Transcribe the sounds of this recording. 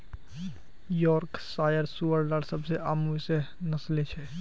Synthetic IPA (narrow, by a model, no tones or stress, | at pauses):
jɔːɾksaːjəɾsuːəɾlaɽsɐbseaːmsenɐslet͡ʃʰɛ